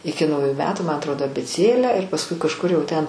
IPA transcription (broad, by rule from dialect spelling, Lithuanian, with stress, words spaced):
ˈɪkʲɪ nɐʊˈjʊ ˈmʲæːtʊ mɐ ɐtˈroːdoː ɐbʲeːˈt͡sʲeːlʲæː ɪr pɐsˈkʊɪ kɐʃˈkʊr jɛʊ tʲɛn